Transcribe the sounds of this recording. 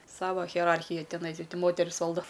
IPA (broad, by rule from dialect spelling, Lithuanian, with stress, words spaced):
ˈsɑːʋɐ ɣʲiɛˈrɐrʲxʲɪjɛ tʲɪˈnɐɪ ɪ tʲɪ ˈmoːtʲɛrʲɪs ˈʋɐlˠdoː